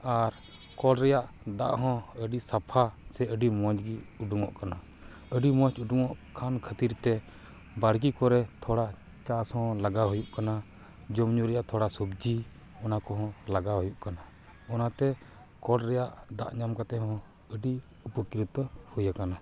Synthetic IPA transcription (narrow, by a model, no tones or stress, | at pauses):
aɾ | kɔɖɾɛjaʔd̪a̰ʔɦɔ̃əɖisapʰasɛəɖimɔ̃d͡ʒɡiuɖuŋɔ̰ʔkana | əɖimɔ̃t͡ʃuɖuŋɔʔkʰankʰət̪iɾt̪ɛ | baɽ̤kikɔɾɛt̪ʰɔɽa | t͡ʃashɔ̃laɡaɦujuʔkana | d͡ʒɔmɲuɾɛjaʔt̪ʰɔɽasubd͡ʒi | ɔnakɔɦɔ̃laɡaɦujuʔkana | ɔnat̪ɛ | kɔɖɾɛjaʔd̪a̰ʔɲamkat̪ɛɦɔ̃ | əɖi | upəkɾit̪hujakana